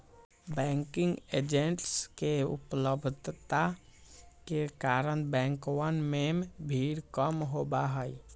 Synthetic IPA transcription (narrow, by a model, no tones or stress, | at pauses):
bɛ̃ːŋkɪ̃ŋɡeːd͡ʒẽɳʈskeʊ̰pləbʱd̪ʱt̪a | kekaːɾəñbɛ̃ːŋkwənmembʱiːɾkəmɦoːbaɦəi